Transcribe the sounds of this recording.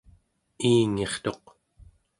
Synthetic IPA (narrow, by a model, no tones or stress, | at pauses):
iːŋe̞χt̪o̞q